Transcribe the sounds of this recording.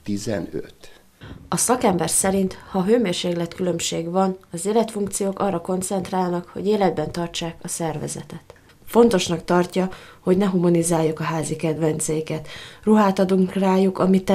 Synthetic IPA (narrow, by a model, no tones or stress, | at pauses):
t̪izɛ̰nø̰t̪ | ɒsɒkɛmbɛrsɛɾint̪hɒɦøːmeːrʃeːklɛt̪kylø̞mʃeːɡvɒnɒzeːlɛt̪fuŋkt̪sijoːkɒrːɒko̞nt̪sɛnt̪raːlnɒkho̞̰ɟeːlɛd̪̚bɛnt̪ɒrt͡ʃaːkɒsɛrvɛ̰zɛ̰t̪ɛt̪ | fo̞n̪t̪o̞ʃnɒkt̪ɒrcɒ | ho̞ɟnɛɦumɒnizaːjːukɒɦaːzikɛd̪vɛnt̪sɛjikɛt̪ruɦaːt̪ɒd̪uŋkraːjukɒmit̪ːɛ